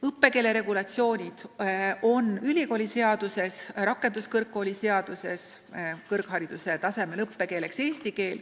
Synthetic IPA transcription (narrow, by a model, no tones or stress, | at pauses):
ɤpːe̞ke̞ːle̞ɾe̞ɡ̥ulɑt̪sio̞ːnʲid̪̥o̞nylʲiko̞ːlʲise̞ɑd̪̥use̞srɑkːˑe̞nd̪̥uskɤrkːo̞ːlʲiseɑd̪̥use̞skɤrkhɑɾid̪̥use̞t̪ɑse̞me̞lɤpːe̞ke̞ːle̞kseːst̪ike̞ːl